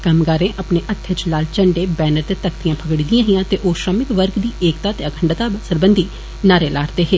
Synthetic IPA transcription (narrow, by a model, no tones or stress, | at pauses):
kamɡaːɾẽːʔəpneːʔət̪ʰːet͡ʃlaːlt͡ʃəɳɖeːbɛːnəɾt̪eːt̪əkt̪ijãːpʰəɡɽid̪ijãːɦɪjãːt̪eːʔoːʃɾəmɪkʋəɾɡd̪iːʔeːkt̪aːt̪eəkʰəɳɖt̪aːsəɾbənd̪ʱiː | naːɾeːlaːɾt̪eːɦeː